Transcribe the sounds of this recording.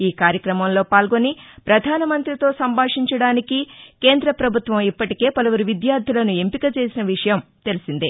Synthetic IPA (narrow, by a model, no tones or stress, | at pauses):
iːkaːɾjɐkɾɐmɐmlo̞ːpaːlɡo̞nipɾɐd̪ʱaːnɐmɐnt̪ɾit̪o̞ːsɐmbʱaːʂiɲt͡ʃɐɽaːnikike̞ːnd̪ɾɐpɾɐbʱut̪ʋɐmipːɐʈike̞ːpɐlɐʋuɾuʋid̪jaːɾd̪ʱilɐnue̞mpikɐt͡ʃe̞ːsinɐʋiʂɐjɐmt̪e̞lisind̪i